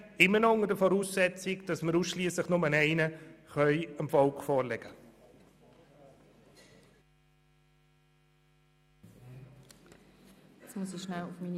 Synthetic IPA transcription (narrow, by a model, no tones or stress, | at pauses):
ɪmːənɔʊŋədəfɔɾuːsːɛt͡sɪkd̥ɑsməɾuːsʃliəsləχnʊmənɛɪnəχœʏəmfɔlkfɔːɾlɛɡə | asmusiʃnalʊfmiːn